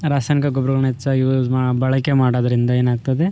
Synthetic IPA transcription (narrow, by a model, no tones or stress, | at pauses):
ɾaːsaːjnikɐɡobɾɐɡɐɳet͡ʃːɐimabɐɭɐkemaːɽoːd̪ɐɾind̪ɐeːnaːɡ̚t̪ɐd̪e